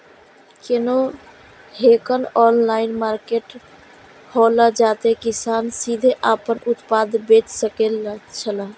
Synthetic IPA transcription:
keno | hekənɔnlainmaɾkeʈ | holəd͡ʒat̪ekisansid̪ʱeʔapənʔut̪pad̪ʱbet͡ʃsəkelt͡ʃʰələ

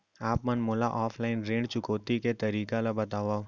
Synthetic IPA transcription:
aːpmɐnmoːlaʔɔːfʰlaːɪnɾẽːɳɖt͡ʃʊkoːt̪iket̪ɐɾiːkalɐbɐt̪aːʋaː

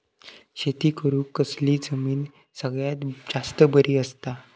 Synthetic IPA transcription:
ɕet̪iːkəɾũːkəsliːd͡zəmiːn | səɡɭjat̪d͡zast̪əbəɾiːəst̪a

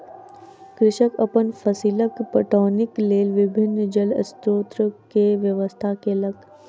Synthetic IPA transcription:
kɾɪʃəkɐpənfʰəsiːləkpəʈoːnɪkleːlʋɪbʱɪnːd͡ʒələ̰st̪oːt̪ɾəkeʋjəʋəst̪ʰakelɐɡ

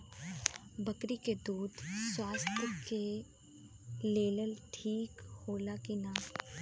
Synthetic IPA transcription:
bɐkɾiked̪uːd̪swaːst̪ʰəke | leːləlʈʰiːkhoːlakinaː

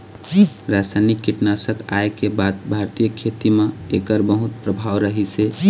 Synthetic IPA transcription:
ɾasanikːiʈnasəka̰ekebad̪bʱaɾt̪ijəkʰːet̪imẽekəɾbəɦut̪̚pɾəbʱawɾəɦise

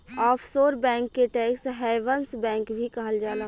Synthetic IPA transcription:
ɔːpʰsoːɾbɛ̃ːŋkːeʈeːksɦɛːʋənsbɛ̃ːŋkbʱikɐɦəld͡ʒaːlə

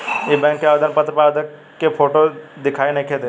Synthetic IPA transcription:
ebɛ̃ːŋkːeaːʋed̪ənpət̪ɾəpaːd̪əkː | epʰoːʈod̪ɪkʰaːinɐĩkʰed̪e

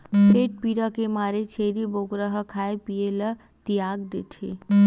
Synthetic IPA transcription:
peːʈ̚piɾakemaːɾet͡ʃʰeɾiboɡɾəɦəkʰaːepijelə | t̪ijaɡd̪et̪ʰḛ

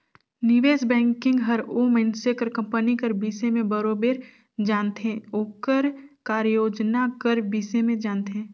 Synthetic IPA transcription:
nɪʋeːsbɛ̃ːŋkɪ̃ŋɡɦəɾoːmɛ̃nsekəɾkɐ̃mpənikəɾbiːsemẽbəɾoːbeːɾ | d͡ʒaːnt̪ɦẽoːkəɾkaːɾjoːd͡ʒnakəɾbiːsemẽd͡ʒaːnt̪ɦɛ̃ː

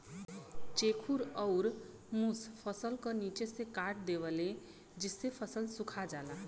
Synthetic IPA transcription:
t͡sekʰuɾʌwɾ | muspʰʌsʌlkʌnit͡sesekaʈ̚d̪eβʌle | d͡zisepʰʌsʌlsukʰad͡zala

